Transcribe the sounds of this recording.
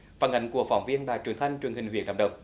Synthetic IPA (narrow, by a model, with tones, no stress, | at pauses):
faː˧˩nha̰˧˩jŋ̟ku˧˩əfɔ˧˩wŋ͡mvi˧ənɗaː˧˨jt͡ɕwi˧˩ənt̪ʰa˧jŋ̟t͡ɕwi˨ənhï˨˩ŋ̟hw̰ənɗa̰˧˩ɗə̰˨˧˩wŋ͡m